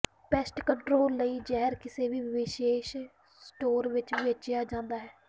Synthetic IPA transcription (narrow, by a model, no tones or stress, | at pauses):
pɛːsʈkəɳʈɾoːlːəiːd͡ʒɛːɦəɾkɪseːʋiːʋʋɪʃeːʃ | sʈoːɾʋɪt͡ʃʋiːət͡ʃɪjaːd͡ʒãːnd̪aːɦɛː